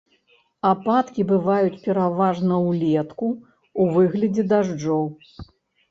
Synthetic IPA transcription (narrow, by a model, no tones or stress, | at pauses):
apat̪kʲibɨvajut͡sʲpʲɛɾavaʐnɐwlʲɛt̪kuː | vɨɣlʲɐd͡zʲɛd̪aʐd͡ʐɔw